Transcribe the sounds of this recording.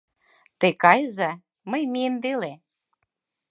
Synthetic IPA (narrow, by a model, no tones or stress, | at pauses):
t̪ekɑjəzɑ | mə̆jmiemvele